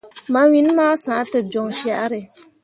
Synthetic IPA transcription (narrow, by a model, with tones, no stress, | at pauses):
ma˨wi˦n˦maː˦sãː˨˦tɨ˨d͡ʒo˨ŋʃa˦ʔa˦ɾɪ˨